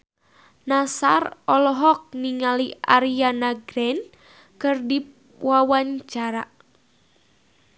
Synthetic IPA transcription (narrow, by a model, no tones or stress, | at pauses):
nasarɔlɔɦɔk̚niŋaliaɾianaɡɾɛn | kɨrdi | wawaɲt͡ʃaɾa